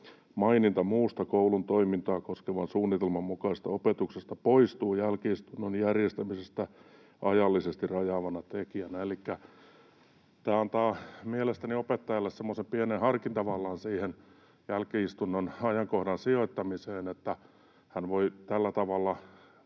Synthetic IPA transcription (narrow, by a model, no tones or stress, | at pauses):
mɑinint̪ɑmuːst̪ɑkoulunt̪oimint̪ɑːkoskeʋɑnsuːnːit̪elmɑmmukɑist̪ɑopet̪uksest̪ɑpoist̪uːjælkiist̪unːonjærjest̪æmisest̪æ | ʔɑjɑlːisest̪irɑjɑʋɑnɑt̪ekiænæelikːæ | t̪æːɑnt̪ɑːmielest̪æniopet̪ːɑjɑlːessemːosempienenhɑrkint̪ɑʋɑlːɑːnsiːhen | jælkiist̪unːonɑjɑŋkohdɑnsioit̪ːɑmiseːnet̪ːæ | hænʋoit̪ælːæt̪ɑʋɑlːɑ